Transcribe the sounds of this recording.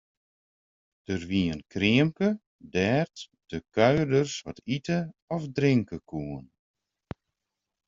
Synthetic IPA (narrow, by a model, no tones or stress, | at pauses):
d̥ərʋiənkʰrɪəmkə | dɛːrt | d̥əkœɥrdərsʋɔ̰titəɔfdrɪŋkəkʰuən